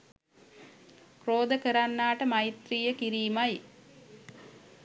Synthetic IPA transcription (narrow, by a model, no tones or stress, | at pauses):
kroːd̪əkəɾanːaːʈəmajit̪riːjəkiɾiːmaj